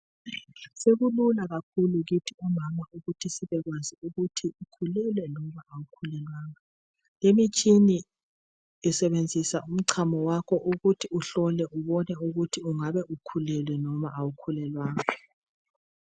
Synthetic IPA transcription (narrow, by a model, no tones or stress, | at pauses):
seɣululaɣakʰuluɣitʰiumamauɣutʰisiβɛɣwaziuɣutʰiukʰulɛlwɛnɔmaawukʰulɛlwaːŋa | lemit͡ʃʼiniː | sɛβend͡zʱisaum̩ǀʰamɔwakʰɔʔuɣutʰiuɬɔlɛʔuβɔnɛuɣutʰiuŋaβɛʔukʰulɛlwɛnɔmaʔawukʰulɛlwaːŋaa